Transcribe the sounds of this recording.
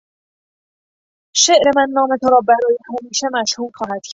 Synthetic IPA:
ʃeʔɾe̞mænːɒːme̞t̪ʰoɾɒːbæɾɒːjehæmiːʃemæʃhuːlxɒːhæd̪̥cʰæ

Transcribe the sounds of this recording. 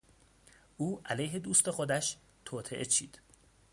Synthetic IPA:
ʔuːʔælejɦe̞d̪uːst̪e̞xod̪æʃ | t̪ʰoːt̪ʰeʔet͡ʃʰḭːd̪̥

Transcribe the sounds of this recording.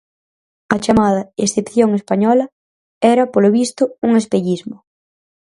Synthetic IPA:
ɐt͡ʃamað̞ɐesθepθjoŋespaɲɔlɐ | ɛɾɐpoloβist̪ʊuŋespeʎizmʊ

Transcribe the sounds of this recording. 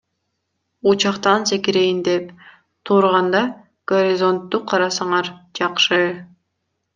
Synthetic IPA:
ut͡ʃɑqt̪ɑnsekiɾejind̪ep | t̪ʰuɾʁɑnd̪ɑ | ɡ̥oɾʲizo̞nt̪ːuqʰɑɾɑsɑɴɑɾd͡ʒɑqʃɯ

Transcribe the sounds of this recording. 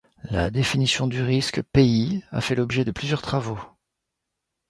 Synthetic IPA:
la̰d̪efinisjɔ̃d̪yʁiskpeia̰fɛlɔbʒɛd̪əplyzjœʁt̪χavo

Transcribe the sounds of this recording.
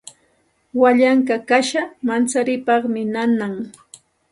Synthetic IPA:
waʎaŋkakaʃamant͡saɾɪpɑχmɪnanaŋ

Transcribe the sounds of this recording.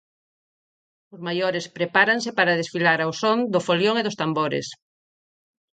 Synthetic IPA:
ʊzmajoɾespɾepaɾaŋsepaɾaðesfilaɾawsond̪ʊfoljoŋeðʊst̪amboɾḛs

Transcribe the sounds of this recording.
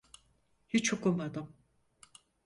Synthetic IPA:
hit͡ʃokulˠmad̪ɯm

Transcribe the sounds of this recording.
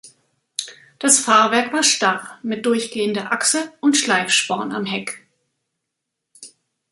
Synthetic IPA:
d̥asfaːɐvɛɐkv̥aːɐʃtaʁmɪt̚d̥ʊɐçɡ̥eːəndɐʔaksəʔʊntʃlaɪfʃpɔɐna̰mɦɛk

